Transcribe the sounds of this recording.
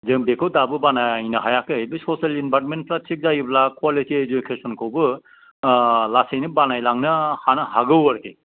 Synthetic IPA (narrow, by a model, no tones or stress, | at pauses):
zɯŋbekʰɯwdabɯbanajnɯɦajakɯbɯsɔsalinbatment̚pʰlat͡ʃʰik̚zajiblakʰwalitied͡ʒukʰesɔnkʰɯwbɯ | lasɯjnɯbanajlaŋnɯhanɯɦaɡɯwaɾkʰij